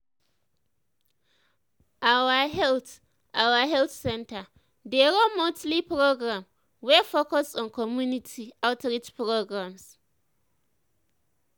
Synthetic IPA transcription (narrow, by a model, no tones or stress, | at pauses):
ʔawaɦɛlt | awaɦɛlθsɛ̃ntʰa | deɾomotlipɾoɡɹãm | wɛfokɔsɔ̃nkʰɔmjunitʰiaʊtʰɾitpʰɾoɡɹãms